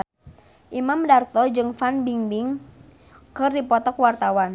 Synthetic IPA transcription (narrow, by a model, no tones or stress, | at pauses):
ʔimamdart̪ɔd͡ʒɨŋfanbiŋbɪŋ | kɨrdipɔt̪ɔkwart̪awan